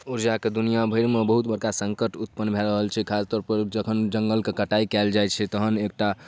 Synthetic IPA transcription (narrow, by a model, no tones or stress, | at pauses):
uɾd͡ʒaked̪unijabʱəjɾmebəɦut̪̚bəɾkasəŋkəʈut̪̚pənbʱɛɾəɦəlt͡ʃʰɛkʰast̪ɔːɾpəɾd͡ʒəkʰənd͡ʒəŋɡəlkekəʈaikɛld͡ʒajt͡ʃʰɛt̪əɦənek̚ʈa